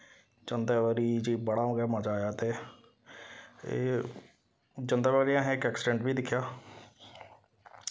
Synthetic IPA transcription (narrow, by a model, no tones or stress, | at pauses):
d͡ʒənd̪ɛːʋəːɾiːd͡ʒiːbəɽaːõːɡaːməd͡ʒaːjaːt̪eː | d͡ʒənd̪ɛːʋaːɾiãːɦɪkɛːksɪɖɛ̃ɳʈbiːd̪ɪkʰːjaː